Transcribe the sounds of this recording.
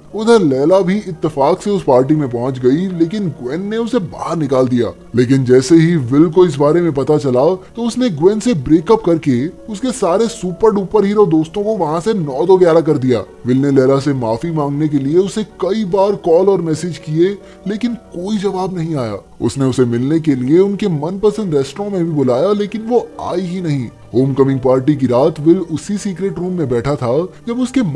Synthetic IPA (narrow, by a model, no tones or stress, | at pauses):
ʊd̪ʱəɾlɛːlabʱiɪt̪ːɪfaːkseʊspaːɾʈ̬imẽp̬ɔɦɔ̃t͡ʃɡɐileːkɪnɡwɛːnːeʊseba̰ːɦəɾnɪkaːld̪ija̰ː | leːk̬ɪnd͡ʒɛːseɦiʋɪlk̬oɪs̬baːɾemẽpɐt̪at͡ʃɐlaːot̪oʊsneɡwɛ̃ːnsebɾeːkɐpkɐɾkeʊskesaːɾesuːpəɾɖuːpəɾɦiːɾɔːd̪oːst̪õkoʋɐɦãsenɔːd̪ɔɡjaːɾak̬ɐɾd̪ija̰ː | ʋɪlnelɛːlasemaːfimãːŋɡnek̬elieʊsnekɐibaːɾkɔːlɔːɾmɛːsed͡ʒkie | leːkɪnkoːid͡ʒɐʋaːbnɐɦĩaːja̰ː | ʊ̰sneʊsemɪlnek̬elieʊnkemɐnpɐsə̃nɖɾɛːsʈɾɔ̃mẽbʱibʊlaːjaleːkɪnʋoa̰ːiɦinɐɦĩː | ɦoːmkɐmɪ̃ŋɡ̚paːɾʈik̬iɾaːt̪ʰʋɪlʊsisiːkɾeːʈɾuːmːẽbɛːʈʰat̪ʰad͡ʒɐbʊske